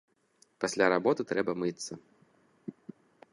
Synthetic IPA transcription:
pasʲlʲaɾabɔt̪ɨt̪ɾɛbɐmɨt̪sːɐ

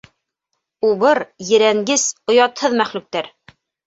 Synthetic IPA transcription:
uβɤɾjɘ̆ɾæŋɡɘsŏjɑt̪hɤðmæχlʉk̚t̪æɾ

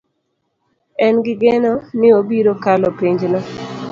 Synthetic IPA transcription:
ɛnɡɪɡenɔmɪobiɾokalɔpiɲd͡ʒnɔ

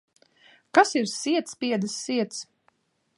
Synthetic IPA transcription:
kasiɾsiɛt̪spiɛd̪ɨsːiɛt̪s

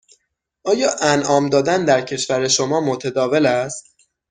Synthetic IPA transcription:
ʔɒːjɒːʔænʔɒːmd̪ɒːd̪ænd̪æɾcʰe̞ʃvæɾeʃomɒːmot̪ʰed̪ɒːve̞læst̪

